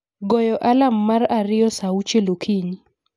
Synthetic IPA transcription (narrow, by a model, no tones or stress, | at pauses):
ɡɔjɔʔalamːaraɾɪjɔsaut͡ʃelokʰiɲi